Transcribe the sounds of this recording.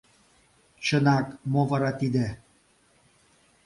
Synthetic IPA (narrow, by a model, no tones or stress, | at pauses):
t͡ɕɤ̆nɑkmovɑɾɑt̪id̪e